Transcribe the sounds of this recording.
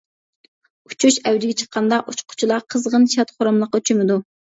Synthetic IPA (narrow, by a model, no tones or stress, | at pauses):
ut͡ʃʰuʃæwd̪ɪɡʲɛt͡ʃʰəqʰːɑnd̪ɑʔut͡ʃqʰʊ̥t͡ʃʰilˠɑqʰəzʁənʃɑt̪χʊɾɑmlˠəqːɑyt͡ʃʰymɪd̪u